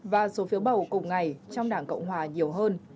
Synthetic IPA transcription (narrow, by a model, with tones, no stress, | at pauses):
vaː˨˩so˨˦fi˨˦əwɓə˧˩wkʊ˨˩ŋ͡mŋa˨˩jt͡ɕɔ˧wŋ͡mɗaː˧˩ŋkə̰˧˨wŋ͡mɦwaː˨˩ɲi˨˩əwɦəː˧n